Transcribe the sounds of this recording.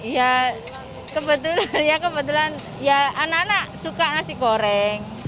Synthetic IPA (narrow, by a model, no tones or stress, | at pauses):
ja | kəbət̪ulanjakəbət̪̬ulan | jaːnanaʔsukaːnaʔsikoɾɛŋ